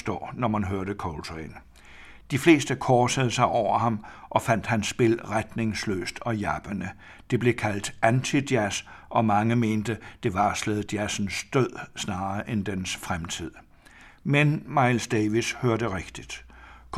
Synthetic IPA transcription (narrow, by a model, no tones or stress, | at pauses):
sd̥ɒ̰ːnɒmænɦøɐɾəkʰɒlt͡sʰeɪn | d̥ifle̝̰ːsd̥əkʰɒːsəð̞̩ˠsɑ̈ɪʔɒʊ̰ɐhɑ̈mʔɒ̽fæn̰d̥hænsːb̥e̝l̰ʁad̥ne̝ŋslø̰ːsd̥ɒ̽jæb̥ənə | d̥e̝b̥le̝kʰæl̰d̥ænt͡sʰid̥jæsʔɒ̽mɑ̈ŋəme̝ːnd̥əd̥e̝ʋɑ̈slɛð̩ˠd̥jæsn̩sd̥øð̰ˠsnɑ̈ːɐʔend̥ensfʁamt͡sʰið̰ˠ | menmɑ̈ɪlsd̥eːʋishøɐɾəʁeɡ̥d̥id̥k